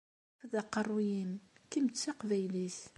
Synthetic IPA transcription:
ðæqːərˤːujimkimət͡sːaqvæjlis

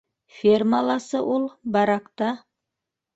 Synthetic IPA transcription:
fʲermalˠɑsɤʔolˠbɑɾɑqt̪ɑ

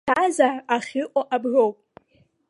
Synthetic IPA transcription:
azaraχʲɪʔʷʼaʔabro̞wpʼ

